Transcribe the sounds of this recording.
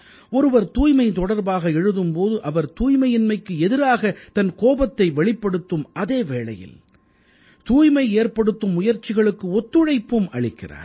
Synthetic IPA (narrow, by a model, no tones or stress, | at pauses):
ɔɾɯʋɐɾt̪uːjmɐɪt̪ɔɽɐɾbaːɣɐɛɻɯðɯmpoːðɯʔɐʋɐɾt̪uːjmɐjɪnmɐɪkːɯɛðɪɾaːɣɐt̪ɐnkoːbɐt̪ːɐɪʋɛɭɪpːɐɽɯt̪ːɯmʔɐðeːʋeːɭɐ̰jɪ̰l | t̪uːjmɐɪeːrpɐɽɯt̪ːɯmːʊjɐɾt͡ʃɪɣɐɭɯkːɯɔt̪ːɯɻɐɪpːɯmɐɭɪkːɪra̰ːɾ